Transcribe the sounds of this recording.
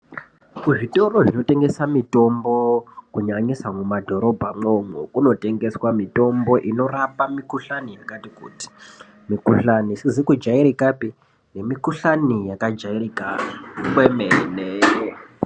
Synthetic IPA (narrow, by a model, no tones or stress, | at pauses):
kuʐito̞ro̞ʐino̞te̞ŋɡe̞samito̞mbo̞kuɲaɲisamumadʱo̞ɾo̞bʱamomwekuno̞te̞ŋɡe̞swamito̞mbo̞ʔino̞rapamikuɬanijakatikṵti̥ | mikuɬanisizikud͡ʒaiɾikapi | ne̞mikuɬanijakad͡ʒairikakwemene